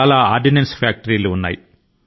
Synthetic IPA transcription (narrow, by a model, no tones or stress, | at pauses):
aːlaːaːɾɖinensfjaːk̚ʈɐɾiːluːnːa̰ːjḭ